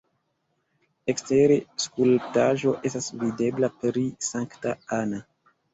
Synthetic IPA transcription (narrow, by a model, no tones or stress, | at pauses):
ekste̞ɾeskulptaʒo̞ʔe̞stasvide̞blapɾisaŋktaana